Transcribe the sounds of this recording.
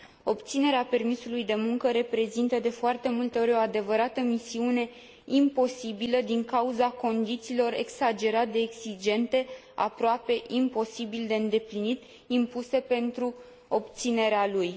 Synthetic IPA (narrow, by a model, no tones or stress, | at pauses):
o̞pt̪sine̞ɾeape̞rmisulujd̪e̞muŋkəɾe̞pɾe̞zint̪əd̪e̞foart̪e̞mult̪eo̞ɾʲo̞ad̪e̞vəɾat̪əmisiune̞ | impo̞sibiləd̪iŋkauzako̞nd̪it̪siːlo̞re̞ksad͡ʒe̞ɾat̪̚d̪e̞ːksid͡ʒe̞nt̪e̞ | a̰pɾoape̞ʔimpo̞sibild̪e̞ɨnd̪e̞plinit̪ | impuse̞pe̞nt̪ɾu | o̞p̚t̪sine̞ɾealuj